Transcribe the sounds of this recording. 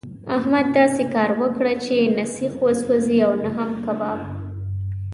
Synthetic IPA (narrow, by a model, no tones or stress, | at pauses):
ahmad̪ːɑsekɑɾwəkɽat͡ʃenasixwaswaziawnaɦamkabɑb